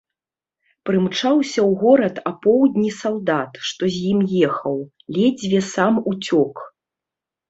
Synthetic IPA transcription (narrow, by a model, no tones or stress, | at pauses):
pɾɨmt͡ʂawsʲɐwɣɔɾɐt̪ɐpɔwd̪ʲnʲisalˠd̪at̪ʂt̪ɔzʲjimjɛxɐw | lʲɛd͡zʲvʲɛsamut͡sʲɔk